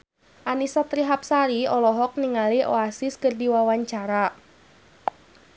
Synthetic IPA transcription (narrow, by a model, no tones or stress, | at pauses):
ʔanisat̪ɾiɦap̚saɾiɔlɔɦɔk̚niŋaliʔoasiskərdiwawaɲt͡ʃaɾa